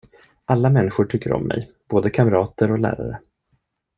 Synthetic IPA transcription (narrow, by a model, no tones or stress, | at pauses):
ʔalːamɛnːɪɧʊʈʰʏkːəɾɔ̰mːɛ̰j | b̥oːd̪əkʰamɾɑːt̪əɾɔlæ̰ːɾa̰ɾə